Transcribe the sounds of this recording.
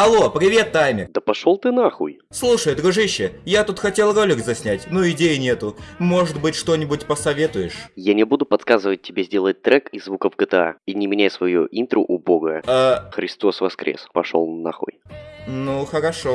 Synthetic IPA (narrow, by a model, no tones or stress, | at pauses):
ɐlˠo̞pɾʲɪvʲe̞t̪ːajmʲɪrd̪əpɐʂolˠt̪ɨnaxṵj | slˠuʂəjd̪ɾʊʐɨɕːɪjat̪ut̪xɐtʲe̞lˠro̞lʲɪkzɐsʲnʲætʲnoɪdʲejɪnʲe̞t̪ʊmo̞ʐɨt̪bɨtʲʂt̪o̞nʲɪbʊt̚ʲpəsɐvʲe̞t̪ʊjɪʂjanʲɪbud̪ʊpɐt̪skazɨvət̚ʲtʲːɪbʲezʲdʲe̞lˠət̚ʲt̪ːɾɛkɪzːvukəvɡət̪ɨa̰inʲɪmʲɪnʲajsvɐjuʔint̪ɾʊʔʊboɡəaxɾʲɪst̪o̞svɐskɾʲʔḛspɐʂo̰lˠnna̰xṵjnuxəɾɐʂo